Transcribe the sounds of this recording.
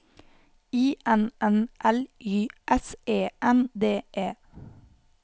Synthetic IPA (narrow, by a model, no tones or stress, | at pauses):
iːʔɛnɛnʔɛlʔyːʔɛseːʔɛnd̪eːʔeː